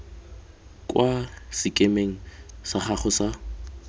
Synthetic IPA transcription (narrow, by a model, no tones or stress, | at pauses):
kʼwasɪkʼemeŋ̩saχaχʊsa